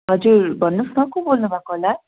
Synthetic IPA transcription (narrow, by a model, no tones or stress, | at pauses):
ɦʌd͡zuɾbʱʌnːusmʌkobolnubʱakola